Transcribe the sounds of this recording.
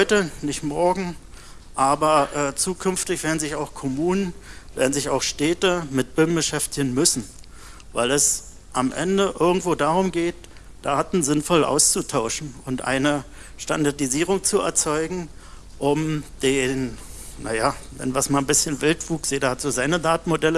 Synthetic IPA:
hɔʏtənɪçtmɔɐɡŋ̩ | ʔaːbɐʔɛːt͡suːkʰʏnftɪçv̥eːʁənzɪçaʊxkʰɔmuːnənvḛːn̩zɪçaʊxʃtɛːtəmɪt̚b̥ɪbəʃɛftɪn̩mʏsn̩ | vaɪlɛs | ʔamʔɛ̰ndəʔɪɐɡŋ̩tv̥oːdaːʁʊmɡeːt̚ | d̥aːtn̩zɪnfɔlʔa̰ʊst͡sutʰaʊʃn̩ʊntʔa̰ɪnə | ʃtandaɐtiziːʁ̞ʊŋt͡suɛ̰ɐt͡sɔʏɡŋ̩ | ʔʊmd̥eːnnajavɛ̰nvasmaːlnbɪsçənvɪltv̥uːkz̥eːdəhatz̥oːzaɪnədaːtn̩modɛlə

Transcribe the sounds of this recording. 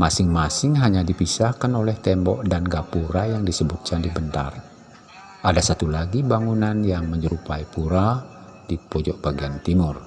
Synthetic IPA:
masɪŋmasɪŋɦaɲadipisahkanolɛht̪ɛmbɔʔdanɡapuɾajaŋdisəbut̪̚kandibənt̪a̰r | ʔadasat̪ulaɡibaŋunanjaŋməɲəɾupaipuɾa | dipɔd͡ʒɔʔb̥aɡiant̪imʊr

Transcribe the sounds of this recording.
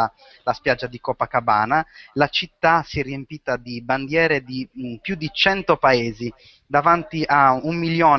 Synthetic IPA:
a | laspjad͡ʒːad̪ikɔːpːakaba̰ːnalat͡ʃit̪ːasiɛrːiempiːt̪ad̪iband̪jɛːɾed̪ipjud̪ːit͡ʃɛnt̪opaeːzi | d̪avant̪iʔaumːiljɔː

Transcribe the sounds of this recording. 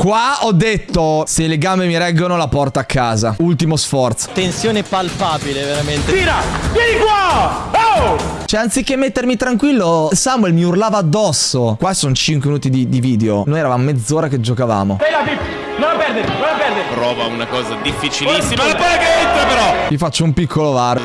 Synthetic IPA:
kwaɔd̪ːet̪ːoseleɡambemiɾɛɡːonolapɔrt̪aːkʰːaːzault̪imosfɔrt̪so̥t̪ensjoːnepalpaːbileveɾament̪t̪iːɾavjɛnikwawat͡ʃoɛant̪sikːemːet̪ːeɾmit̪ɾaŋkwilːosamwɛlmiurlaːvaːd̪ːɔsːokwasont͡ʃiŋkʷweminuːt̪id̪id̪iviːd̪eonoːjɛɾavamomed̪zːoːɾaked͡ʒokava̰ːmod̪ɛjlavit̪ː | nonapɛrd̪eɾnolapɛrd̪eɾpɾɔːvaunakɔːzad̪ifːit͡ʃilisːimpalpɔɾakeavit̪ːapeɾɔvifat͡ʃːoumpikʰːolovaːɾ

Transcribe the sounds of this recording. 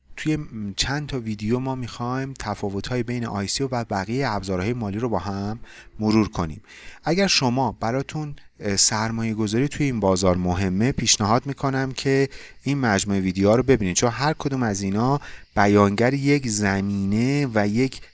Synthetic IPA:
t̪ʰujet͡ʃʰænt̪ʰɒvid̪ejomɒːmixɒjmt̪ʰæfɒːvo̞t̪hɒːjebe̞jneʔɒːjsiovæbæɣijejeæbzɒːɾhɒːje̞mɒːliːɾobɒːɦæmː | oɾuɾkʰo̞nḭːm | ʔæɟæɾʃo̞mɒːb̥æɾɒːt̪ʰunsæɾmɒːje̞ɡo̞zɒːɾit̪ʰujeiːnbɒːzɒːɾmo̞ɦe̞mːe̞pʰiːʃnæɦɒːd̪miːkʰo̞næmcʰe̞ | inmæd͡ʒmuːeviːd̪ejɒːɾobe̞biːniːd̪̚t͡ʃʰonɦæɾkʰo̞d̪uːmæziːnɒːb̥æjɒːŋɟæɾije̞cʰzæmiːne̞væjecʰ

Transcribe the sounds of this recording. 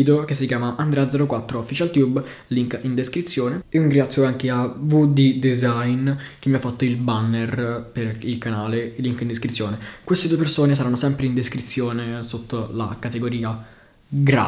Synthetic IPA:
iːd̪okesːikjaːmaʔand̪ɾɛːad̪zɛɾokwat̪ːɾoofːit͡ʃalt̪jubliŋkind̪eskɾit̪sːjoːneeiŋɡɾat̪sːjoaŋkeavud̪id̪ezajnkemːiafːat̪ːoilbanːerperilkanaːleliŋkind̪eskɾit̪ːjoːnekwest̪ed̪uːepersoːnes̬aɾanːosɛmpɾeind̪eskɾit̪sːjoːnesot̪ʰːola̰kat̪eɡoɾiːa | ɡɾa̰

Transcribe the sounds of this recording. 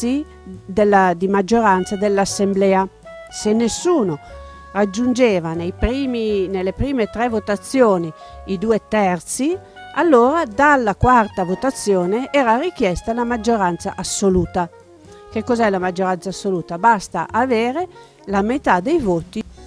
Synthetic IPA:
i | d̪elːad̪imad͡ʒːoɾant̪sad̪elːasːemblɛːa | senːesːuːno | rad͡ʒːund͡ʒeːvanejpɾiːminelːepɾiːmet̪ɾɛvot̪at̪sːjoːni | id̪uːet̪ɛrt̪si | alːoːɾad̪alːakwart̪avot̪at̪sːjoːneɛːɾarik̟jɛst̪alamad͡ʒːoɾant̪sa̰ʔasːoluːt̪a | k̟ekːɔzɛlamad͡ʒːoɾant̪saːsːoluːt̪abast̪a̰ʔaveːɾe | lamet̪ad̪ejvoːt̪i

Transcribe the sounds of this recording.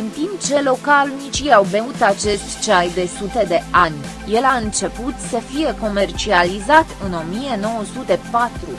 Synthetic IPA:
ɨnt̪impt͡ʃe̞lo̞kalnit͡ʃiawbe̞ut̪at͡ʃe̞st̪ʲt͡ʃajd̪e̞sut̪e̞d̪e̞anʲ | je̞laɨnt͡ʃe̞put̪səfije̞ko̞me̞rt͡ʃializat̪ɨno̞mije̞no̞wəsut̪e̞pat̪ɾu

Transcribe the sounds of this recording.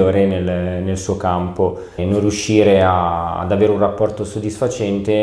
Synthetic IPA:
oːɾenelnelsuːokampo | nõnrjuʃːiːɾea̰d̪aveːɾeunrapːɔrt̪osod̪ːisfat͡ʃɛnt̪e

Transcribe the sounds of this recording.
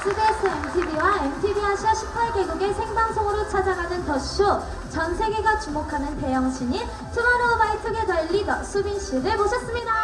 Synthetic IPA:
s͈ʰɯbsʰɯemtʰibiwaemtʰibiɦaɕʰaɕʰipʰaɭɡe̞ɡuɡe̞sʰe̞ŋbaŋsʰoŋɯɾot͡ɕʰad͡ʑaŋɦanɯntʌɕʰu | t͡ɕʌnsʰe̞ɡe̞ɡat͡ɕumokʰanɯnte̞jʌŋɕʰiɲi | tʰɯbʌɾobaitʰɯɡe̞tʌʎːidʌs͈ʰubinɕʰiɾɯɭpoɕʰʌs͈ɯmɲida

